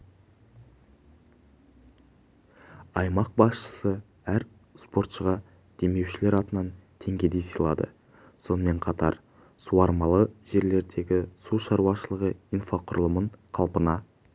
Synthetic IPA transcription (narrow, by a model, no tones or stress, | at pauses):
ɑjmɑq̚bɑsʃə̥sə | æɾ | spʰo̞ɾt̪ʃəʁɑ | d̪̥e̞me̞wʃɪle̞ɾɑt̪ənɑnt̪ʰe̞ŋɡʲe̞d̪e̞jsəjlˠɑ̰d̪ə̰ | so̞nəme̞ɴqʰɑt̪ɑ̰ɾ | suɑɾmɑlˠəʒe̞ɾle̞ɾd̪e̞ɡʲɪsuʃɑɾuɑʃəlˠəʁəijnfaqʰʊɾlˠəməɴqʰɑlˠpənɑ